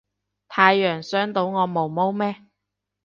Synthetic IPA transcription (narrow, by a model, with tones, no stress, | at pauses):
t̪ʰaː˨˧jːœː˨˩ŋsœː˨˥ŋt̪o˧wŋɔː˨˧mo˨˩wmo˥wmɛː˥